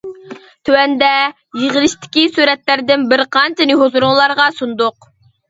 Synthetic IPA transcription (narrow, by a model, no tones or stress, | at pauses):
t̪ʰøwɛnd̪ɛ | jeʁəlˠɪʃt̪ʰɪ̥kʲisuɾɛt̪læɾd̪ɪnbɪɾqʰɑnt͡ʃʰɛnɪɦozuɾʊŋlˠɑɾʁɑsund̪ʊq